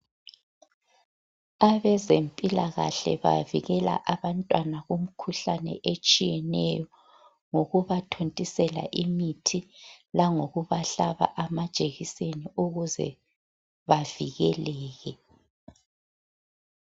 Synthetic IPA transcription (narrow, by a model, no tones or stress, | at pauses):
aβɛzempʼilaɣa̰ɬɛ̰βa̰viɣɛla̰ʔaβantʼwanaɣum̩kʰuɬanɛ̰ʔet͡ʃʼijɛnɛ̰jɔ | ŋoɣuβatʰontʼisɛla̰ʔimitʰilaŋoɣuβaɬaβa̰ʔamad̥ʒ̥ʱʼeɣiseniuɣuzɛ̰ | βaviɣɛlɛːɣɛ